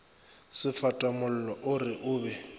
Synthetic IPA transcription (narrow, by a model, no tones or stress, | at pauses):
sɪfatʼamʊl̩lɔʔʊrɪʔʊːbɛ